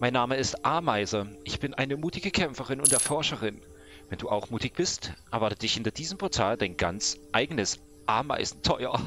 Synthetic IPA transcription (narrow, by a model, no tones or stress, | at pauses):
maɪnːaːməɪstʔaɐmaɪzɐʔɪçb̥ɪnʔaɪnəmuːtɪɡəkʰɛmfəʁɪnʊntd̥eɐfɔɐʃəʁɪn | vɛnduːʔaʊxmuːtɪç̚b̥ɪstʔɛɐvaɐtəd̥ɪçhɪntɐd̥iːzəmpʰɔɐtʰaːldaɪnɡant͡sʔaɪɡənəs | ʔa̰ɐma̰ɪzn̩tʰɔʏɐ̰